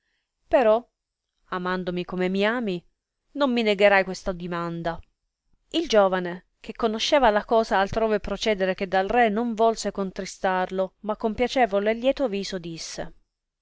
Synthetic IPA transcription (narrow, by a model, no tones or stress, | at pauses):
peɾɔ | amand̪omikomemiaːmi | nomːineɡeɾajkwest̪ad̪imand̪a | ild͡ʒoːvane | k̟ekːonoʃːɛːvalakɔːzaːlt̪ɾoːvepɾot͡ʃɛːd̪eɾek̟ed̪ːalrenoɱvɔlsekont̪ɾist̪arlomakːompjat͡ʃɛːvolelːjɛːt̪oviːzod̪isːḛ